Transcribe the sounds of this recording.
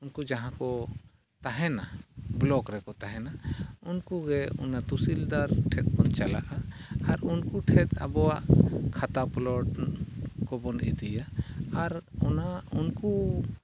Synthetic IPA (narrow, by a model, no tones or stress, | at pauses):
unkud͡ʒaɦãkɔ | t̪aɦɛnablɔkɾɛkɔt̪aɦɛnaunkuɡɛṵnat̪usild̪aɾʈʰɛt̪̚bɔnt͡ʃala̰ʔaːɾunkuʈʰɛt̪a̰bɔwaʔkʰat̪aplɔʈ | kɔbɔnḭd̪ijaːɾɔnaunku